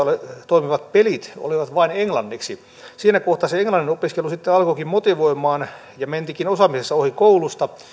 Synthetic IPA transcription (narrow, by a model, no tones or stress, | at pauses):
let̪oimiʋɑt̪̚pelit̪o̰liʋɑt̪ʋɑineŋlɑnːiksi | siːnækoht̪ɑseeŋlɑnːinopiskelusit̪ːeɑlkokimmot̪iʋoimˑɑːn | jɑment̪ikinosɑmisesːɑohikoulust̪ɑ